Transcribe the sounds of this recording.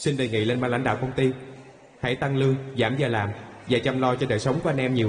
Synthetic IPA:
si˧nɗeː˨˩jŋḭ˧˨le˧nɓaː˧la̰˧˦ŋ̟ɗa̰ː˧˨wkə˧wŋ͡mt̪i˧ | ha̰˧˥jt̪a˧ŋlɨ˧əŋzaː˧˩mzaː˨˩laː˨˩mvaː˨˩t͡ɕa˧mlɔ˧t͡ɕɔ˧ɗəː˨˩jsə˨˦wŋ͡mku˨˧˦ʔa˧nʔɛ˧mɲi˨˩əw

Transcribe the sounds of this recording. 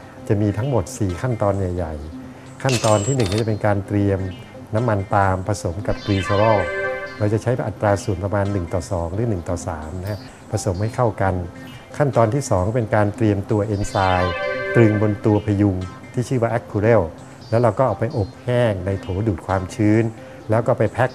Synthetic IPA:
t͡ɕa˨˩miː˧t̪ʰa˦˥ŋmo˨˩t̪̚siː˨˩kʰa˥˩nt̪ɔː˧nja˨˩jːa˨˩j | kʰa˥˩nt̪ɔː˧nt̪ʰiː˥˩nɯ˨˩ŋkːɔː˥˩a˨˩pe˧nkaː˧nt̪ɾi˧əm | na˦˥mːa˧nt̪aː˧mpʰa˧so˩˦mka˨˩p̚k̪ɾiː˧se˧wɔː˥˩ɾa˧wt͡ɕa˨˩t͡ɕʰa˦˥ja˧ʔa˨˩t̪ːɾaː˧su˨˩˦ənpɾa˧maː˧nːɯ˨˩ŋt̪ɔː˨˩sɔː˩˦ŋɾɯː˩˦nɯ˨˩ŋt̪ɔː˨˩saː˩˦mna˦a˥ | pʰa˧so˩˦mha˥˩jkʰa˥˩wka˧n | kʰa˥˩nt̪ɔː˧nt̪ʰiː˥˩sɔː˩˦ŋkːpe˧nkaː˧nt̪ɾi˧əmt̪u˧ɐʔe˧nsaː˧jt̪ɾɯ˧ŋbo˧nt̪u˧ɐpʰa˧ju˧ŋ | t̪ʰiː˥˩t͡ɕʰɯː˥˩waː˥˩ʔɛ˦˥kʰːu˧ɾe˥˩w | lɛː˦˥wɾa˧wkɔː˥˩ʔaː˨˩wpa˧jʔo˨˩p̚hɛː˥˩ŋna˧jt̪ʰoː˩˦duː˨˩t̚kʰwaː˧mt͡ɕʰɯː˦˥n | lɛː˦˥wkɔː˥˩pa˧jpʰɛ˦˥k̚

